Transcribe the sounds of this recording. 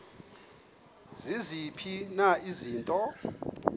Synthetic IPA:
zizipʰinaiziːntʼɔ

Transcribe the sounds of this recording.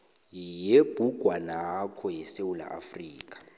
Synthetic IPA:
jeb̥ʱuɡ̥ʱwanakʰɔjɛsewula̰ʔa̰friːkʼḁ

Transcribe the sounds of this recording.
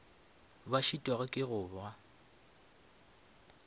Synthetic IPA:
baʃitʼwaɣʊkʼɪɣʊːba

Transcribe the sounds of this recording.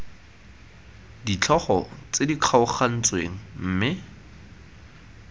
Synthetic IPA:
dit͡ɬʰɔχɔ̰t͡sediq͡χʰaʊχan̩t͡sweŋ̩m̩ːmɪ

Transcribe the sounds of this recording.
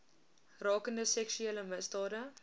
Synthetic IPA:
rɑːkəndəsɛksyeːləməsdɑːdə

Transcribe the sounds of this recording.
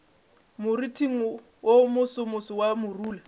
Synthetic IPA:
mʊritʰiŋ̩ | womʊsʊmʊsʊwamʊruːla

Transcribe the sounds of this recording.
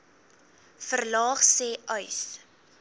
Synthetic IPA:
fərlɑːχsɛːœɥs

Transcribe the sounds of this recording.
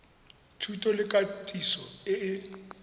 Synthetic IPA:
tʰutʼɔlɪkʼatʼisɔɪɪ

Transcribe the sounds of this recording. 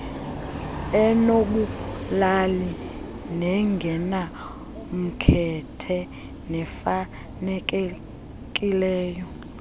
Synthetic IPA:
ɛnok̬ulali | nɛŋɡʱɛna | m̩kʰɛtʰɛ | nɛfa | nɛk̬ʼɛ | k̬ʼilɛːjɔ

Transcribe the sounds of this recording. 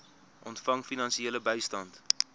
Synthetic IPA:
ʔɔntfɐŋfinɐnsieːləbɛjstɐnt

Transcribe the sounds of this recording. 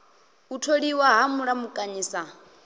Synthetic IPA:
utʰoɺiwaɦamuɺamukʼaɲiːsa

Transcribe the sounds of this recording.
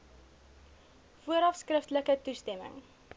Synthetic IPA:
fuəɾɑfskrəftləkətustɛmə̰ŋ

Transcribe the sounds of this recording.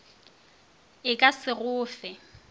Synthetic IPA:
ɪkʼasɪɣʊːfɛ

